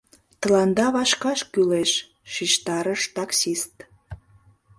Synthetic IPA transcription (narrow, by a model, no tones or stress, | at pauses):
t̪ə̆lɑnd̪ɑβɑʃkɑʃkyleʃː | iʃt̪ɑɾəʃt̪ɑksist̪